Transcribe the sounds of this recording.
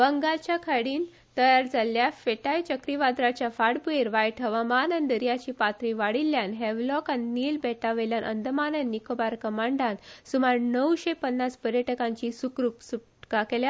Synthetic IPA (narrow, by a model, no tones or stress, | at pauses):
bəŋɡalt͡ɕjakʰəɽiːn | t̪əjaɾd͡zaljafeʈajt͡ɕəkɾiʋad̪ɾat͡ɕjafaɽbueɾʋajʈʰəʋamanənd̪əɾjat͡ɕiːpat̪ɾiʋaɽiljanɦeʋlɔkanːiːlbɛʈaʋeljanʔə̰nd̪əmanənːikobaɾkəmaɳɖansumaɾnəwɕepənːaspəɾjəʈəkãɲt͡ɕisukɾupsuʈkakelja